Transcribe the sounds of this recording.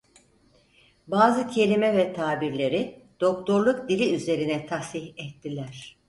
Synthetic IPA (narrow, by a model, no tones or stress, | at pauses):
baːzɯcʰe̞lʲimɛvɛt̪ʰaːbiɾlʲe̞ɾid̪̥o̞k̚t̪ʰo̞ɾlˠuk̚d̪ilʲiyze̞ɾinɛt̪ʰashihɛt̪ʰːilʲæɾ̥